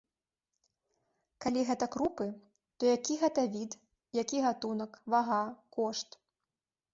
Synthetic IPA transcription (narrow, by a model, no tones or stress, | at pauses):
kalʲiɣɛt̪ɐkɾupɨ | t̪ɔjakʲiɣɛt̪ɐvʲit̪ | jakʲiɣat̪unɐkvaɣakɔʂt̪